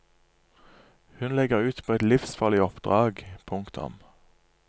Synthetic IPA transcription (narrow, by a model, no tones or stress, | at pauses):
hʉnlɛɡəʁʉːt̪pʰoːɛt̪lɪfsfɑliːɔpd̪̥ʁɑːɡpʰʊŋkt̪ʰʊ̰m